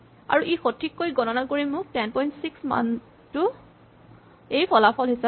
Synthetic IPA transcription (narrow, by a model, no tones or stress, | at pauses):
a̰ɹuʔexotʰːikːojɡɔnɔnakoɹimʊk̚tɛnpɔjntsiksma̰n | tʊ | ejpʰɔlapʰɔlɦisa